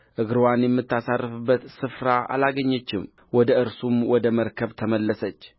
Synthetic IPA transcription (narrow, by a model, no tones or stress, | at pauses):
ʔɨɡɾwanjɛmːɨt̪ʰːasarːɨfɨbːət̪sɨfɾaʔa̰laɡəɲːət͡ʃːɪm | wɔd̪əɨɾsumwɔd̪əməɾkʰəβt̪ʰəməlːəsət͡ʃː